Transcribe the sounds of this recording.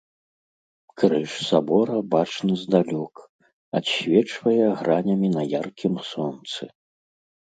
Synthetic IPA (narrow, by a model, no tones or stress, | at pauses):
kɾɨʂsabɔɾɐbat͡ʂnɨzd̪alʲɔk | atɕʲvʲɛt͡ʂvɐjɛɣɾanʲɐmʲinɐjarkʲimsɔnt̪sɨ